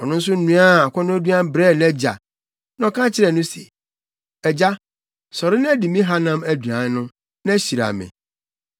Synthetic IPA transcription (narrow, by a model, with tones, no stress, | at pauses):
ɔ˨nʊ̃˦n̩˦s̬ʊ˦n̩˦nũ˦a˦a˨kʷʰɔ˦nʊ̃˦æ˦du˦ã˦m˦bɾɛ˦˨nɛ̃˦d͡ʑa̰˨ | nɔ̃˦˨kʰã˦t͡ɕʰɪ˦ɾɛ˨nʊ̃˦sɛ̰˨ | ɛ˨d͡ʑa˦ | sɔ˨ɾɪ˦ñ˦ɛ˦di˨mĩ˦ɦa˦nã˦mæ˨du˨ã˨˦nʊ̃˦ | nã˦ɕi˨ɾa̰˨mɪ̰̃˨